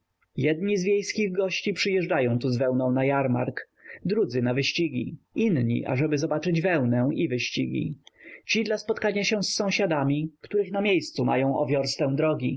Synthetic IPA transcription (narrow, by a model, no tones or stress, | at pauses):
jɛd̪ɲizvʲjejskʲiɣɡɔɕt͡ɕipʂɘjɛʐd͡ʐajɔ̃w̃t̪uzvɛwnɔ̃w̃najaɾma̰ɾk | d̪ɾud̪zɘnavɘɕt͡ɕiɡʲḭ | inɲḭʔa̰ʐɛbɘzɔbat͡ʂɘd͡ʑvɛwnɛwʔivɘɕt͡ɕiɡʲḭt͡ɕid̪laspɔt̪kaɲaɕɛ̃sːɔ̃w̃ɕad̪amʲikt̪uɾɘxnamʲjejst̪suma̰jɔ̃w̃ɔ̰vʲjɔɾst̪ɛw̃d̪ɾɔɡʲi